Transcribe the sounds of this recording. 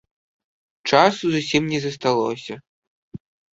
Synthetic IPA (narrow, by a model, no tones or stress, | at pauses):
t͡ʂasuzusʲimnʲɛzɐst̪alˠɔsʲɐ